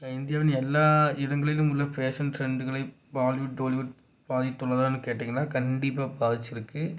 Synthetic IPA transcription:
ɐɪnd̪ɪjaːʋɪnɛlːaːɪðɐŋɡɐɭɪlɯ̃mʊlːɐpeːsɐnfɾɛɳɖɯɣɐɭɐɪ | baːlʋɪʈ̚ɖoːlʋɪʈ | paːðɪt̪ːɔlːɐðaːnːɯkeːʈːeːŋɡɐnːaːkɐɳɖɪpːaːpaːðɪt͡ʃːɪɾɯkːɯ

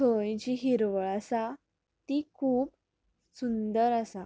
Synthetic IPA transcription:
tʰojd͡ʑiɦiɾʋəɭasa | t̪ikʰuːp | sund̪əɾəsa

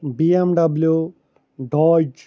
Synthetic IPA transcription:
biemɖɐblju | ɖɔd͡ʒ

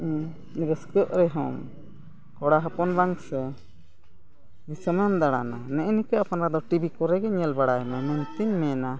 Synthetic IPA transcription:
ɾəskəʔɾɛɦɔ̰m | kɔɽaɦəpɔnbaŋsɛ | b̪isəmənd̪aɽa̰nanɛʔɛnikəapanɾad̪ɔʈibikɔɾɛɡɛɲɛlbaɽajmɛməɲt̪iɲmɛna

